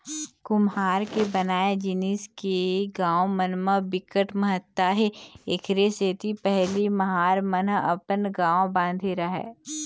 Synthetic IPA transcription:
kʊmɦaːɾkebɐnaːed͡ʒɪniskeɡãːõmənməbɪkəʈməɦət̪ːaɦeɪkʰɾeseːt̪ʰipɛɦlimɐɦaːɾmənɐ̰pənɡãːõbãːnd̪ʱiɾaɦɛ̰ː

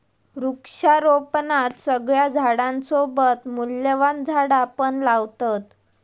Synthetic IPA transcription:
ɾukʂaɾopnat̪səɡɭjad͡zʱaɽãnsobət̪muljəʋand͡zʱaɽapəɳlaʋt̪at̪

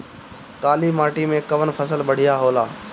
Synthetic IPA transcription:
kaːliːmaːʈiːmẽːkəʋənpʰəsəlbəɽ̤ɪjaːɦoːlaː

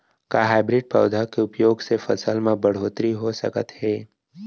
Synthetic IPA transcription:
kaɦaːɪbɾɪɖ̚pə̰ːd̪ʱakeʊpjoːɡsefɐsəlmẽbɐɽ̤oːt̪ɾiɦosə̰kə̰t̪ɦɛː

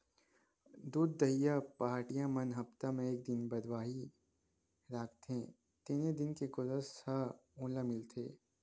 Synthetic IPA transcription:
d̪uːd̪ːɐɦijapaːɾʈijãmɐnɦɐpt̪amẽeːk̚d̪ɪnbɐd̪waːɦi | ɾaːkʰt̪ẽ | t̪iːned̪ɪnkeɡʊzəsɐũːlãmɪlt̪ʰeː

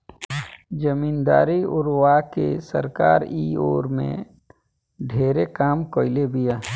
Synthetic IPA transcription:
d͡ʒəmiːnd̪a̰ːɾiʊɾwakesə̰ɾka̰ːɾiːoːɾmḛ̃ | ɖʱeːɾekaːmkoːɪlebija

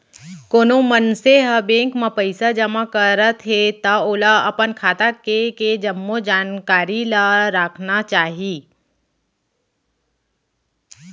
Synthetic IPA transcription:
koːnomənseɦabẽːŋkmãpəɪsad͡ʒɐmakəɾət̪ɦet̪ɐoːlaɐpənkʰaːt̪akeked͡ʒɐmːod͡ʒaːnkaːɾilaɾaːkʰnat͡ʃaːɦi

